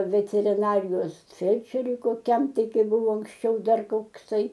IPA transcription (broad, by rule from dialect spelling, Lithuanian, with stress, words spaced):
ʋʲɛtʲɛrʲɪˈnɑːrʲɪjoːs ˈfʲɛlʲt͡ʃʲɛrʲʊɪ koːˈkʲɛm ˈtɐɪ ˈkɐɪ ˈbʊʋoː ɐŋksʲˈt͡ʃʲɛʊ ˈdɐr koːkˈsɐɪ